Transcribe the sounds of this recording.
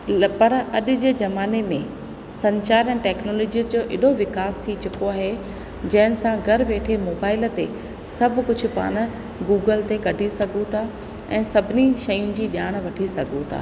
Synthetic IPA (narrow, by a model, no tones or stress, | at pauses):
pɐɾɐɗʊ̆d͡ʑeːzɐmaːnemẽ | sɐ̃ɲt͡ɕaːɾɛ̃ːʈɛːknoːlɔːd͡ʑijəd͡ʑoːʔɪɗoʋɪkaːst̪ʰit͡ɕʊkoaːɦe | d͡ʑɐ̃ɦɪnɪ̆sãɡʱɐɾʋeːʈʰemoːbaːɪlt̪e | sɐbʱʊ̆kʊd͡ʑʱʊ̆pa̰ːɽ̃̆ | ɡuːɡəlt̪ekɐɖʱisɐɡʱõt̪ʰa | ɛ̰̃ːsɐbʱɪniʃɐjʊ̃nɪ̆d͡ʑiːɗjaːɽ̃ʋɐʈʰisɐɡʱõt̪ʰa̰ː